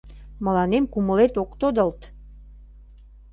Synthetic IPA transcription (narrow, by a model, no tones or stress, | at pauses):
mə̆lɑnemkuməlet̪okt̪od̪əlt̪